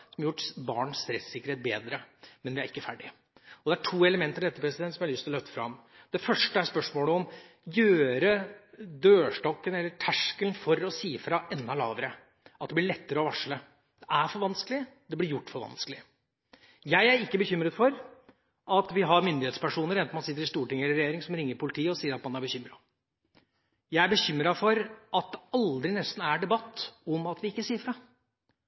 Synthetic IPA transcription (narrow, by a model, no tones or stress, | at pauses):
sɔmɑjʊʈːbɑ̰ːɳsɾɛt̪sɪkəɾheːt̪̚beːd̪ɾəmɛnʋɪæɾɪkːəfæɖɪ | ɔd̪ɛæʈʰuːɛləmɛnt̪əɾd̪ɛt̪ːəpɾɛsɪd̪ɛnt̪sɔmjæhɑlʏst̪lɔlœft̪ə̥fɾɑm | d̪̥ɛfœʂʈəæspœʂmoːləɔm | jøːɾəd̪øːʂʈɔkːənɛlːəʈʰæʂkəlnfɔɾɔsiːəfɾɑʔɛnd̪ɑlɑ̰ːʋəɾə | ɑt̪̚d̪ɛblɪɭɛt̪ːəɾəɔʋɑʂɭə | d̪̥ɛʔæɾfɔɾʋɑnskəlɪd̪ɛb̪ɪɾjʊʈːfɔɾʋɑ̰nskəlɪ | jæɪæɾɪkːəbəçʏmɾət̪fɔɾ | ʔɑt̪ʋɪɦɑɾmʏnd̪ɪheːt̪spæʂuːnəɾɛnt̪ɔmɑnsɪt̪ːəɾɪst̪uːʈɪŋəɛlɪɾɛjeːɾɪŋsɔmɾɪŋːəɾpʰʊlɪt̪ʰiːəɔsiːəɾɑt̪̚mɑnːæɾbəçʏmːɾɑ | jæɪæbəçʏmːɾɑfɔɾɑt̪̚d̪ɛɑld̪ɾɪnɛst̪n̩æɖɛbɑt̪ːɔmɑt̪ʋɪɪkːəsiːəfɾɑ